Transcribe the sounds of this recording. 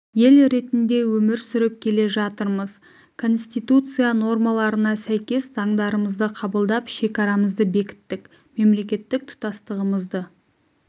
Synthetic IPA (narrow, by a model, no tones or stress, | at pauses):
je̞lɾe̞t̪ɪnd̪e̞wɵmɪɾsʏɾɪp̚kʲʰe̞le̞ʒɑt̪əɾməz | kʰo̞nst̪ijt̪ut̪sɨjano̞rmɑlˠɑɾənɑsæjkʲe̞sz̥ɑŋd̪ɑɾəməzd̪əqʰɑbəlˠd̪ɑpʃe̞kɑɾɑməzd̪əbe̞kʲɪ̥t̪ːɪk | me̞mle̞kʲe̞t̪ːɪk̚t̪ʰʊ̥t̪ɑst̪əʁəməzd̪ə